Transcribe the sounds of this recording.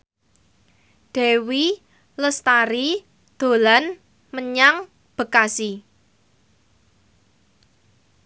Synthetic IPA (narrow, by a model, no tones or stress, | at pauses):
d̪̥ɛ̤wi | ləst̪aɾi | d̪̥o̤lan | məɲaŋ | b̥ə̤kasi